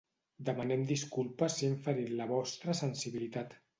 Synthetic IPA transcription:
d̪əmanɛmd̪iskulˠpəsiiɱfəɾinləβɔst̪ɾəsənsiβilit̪at̪

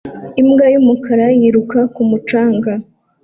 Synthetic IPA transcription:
imɡajumukaɾajiɾukakumut͡ʃaːŋɡa

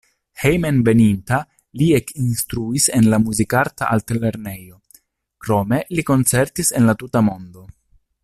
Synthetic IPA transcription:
hejmenve̞ninta | liekinstɾuise̞nlamuzikaɾtaʔaltle̞ɾne̞jo̞ | kɾo̞me̞liko̞nt͡se̞ɾtise̞nlatutamo̞ndo̞

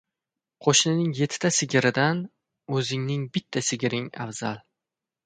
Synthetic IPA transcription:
qʰoʃnɪnɪŋje̞t̪ʰːt̪asɪɡʲɪɾɪd̪an | ɵzɪŋnɪŋbɪt̪ʰːasɪɡʲɾɪŋa̰vzalˠ

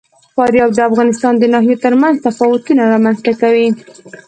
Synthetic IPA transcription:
fɑɾjɑb̚d̪əafɣɑnɪst̪ɑnd̪ənɑɦijot̪əɾmanzt̪afɑwʊt̪unaɾɑmanzt̪akawi

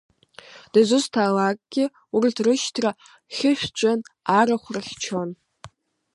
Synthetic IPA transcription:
d̥azʷʊztʰaːlakʼɡʲɪ | uritʰrɨʃtʰra | χʲɪʃᶣt͡ʃʷʼanaɾaχʷraχʲt͡ʃʰon

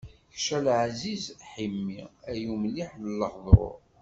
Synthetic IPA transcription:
çʃælʕzizħimːiæjumliħləlːəħðˤɾˤʊ̰ɾ

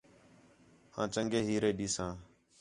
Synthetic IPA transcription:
hã̰ːt͡ʃəŋɡeːɦiːɾeːɗiːsãː

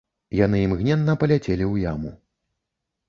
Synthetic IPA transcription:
jan̪ɨjimɣnʲɛnːɐpɐlʲat͡sʲelʲiwjamṵ

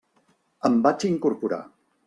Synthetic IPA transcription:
əmbat͡ʃiŋkuɾpuɾa̰

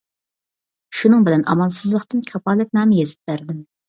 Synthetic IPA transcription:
ʃunɨŋbɪlɛnɑ̰mɑlˠsɨzlˠəqt̪ɨnkʲʰɑpʰɑːlɛt̪̚nɑːmɪjezɪ̥p̚bæɾd̪ɪm

